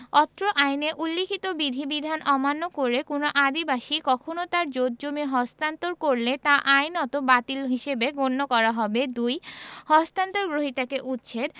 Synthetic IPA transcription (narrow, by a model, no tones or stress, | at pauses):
ɔt̪ːɾoʔajneʔulːikʰit̪obid̪ʱibid̪ʱanʔɔmanːokoɾekonoʔad̪ibaʃikɔkʰonot̪aɾd͡ʑot̪̚d͡ʑomiɦɔst̪ant̪oɾkoɾlet̪aʔajnɔt̪obat̪ilɦiʃebeɡonːokɔɾaɦɔbed̪ujhɔst̪ant̪oɾɡɾoɦit̪akeʔutːɕʰeɾ